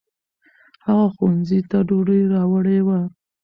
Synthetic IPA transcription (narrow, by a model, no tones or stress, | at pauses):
haɣaxuwanzit̪aɖoɖiɾɑwəɽewa